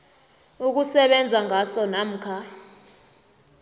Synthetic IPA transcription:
uk̬usɛɓɛnd͡zʱaŋasɔnam̩kʰa

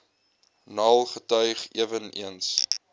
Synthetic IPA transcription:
nɑːlˠχətœɥχiəvənḭəns

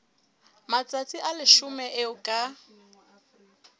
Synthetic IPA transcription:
mat͡sʼat͡sʼiʔalɪʃʊmɛʔɪʊkʼa

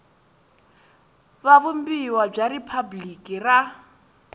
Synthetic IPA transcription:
βaβum̩biwab͡ʐaɾipʰablikʼira

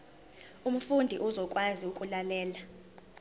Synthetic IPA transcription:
um̩fundʱiʔuzɔkʼwaziukʼulalɛːla

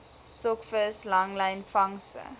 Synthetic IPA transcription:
stɔkfəslɐŋlɛjnfɐŋstə̰

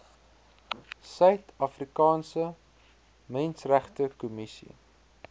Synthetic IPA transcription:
sœɥtɐfrikɑːnsə | mɛnsræχtəkumisḭ

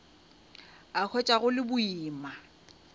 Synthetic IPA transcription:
ak͡xʰɔt͡ʃʼaɣʊlɪbʊiːma

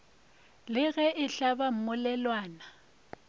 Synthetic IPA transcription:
lɪɣɛʔɪɬabam̩mʊlɛlwaːna

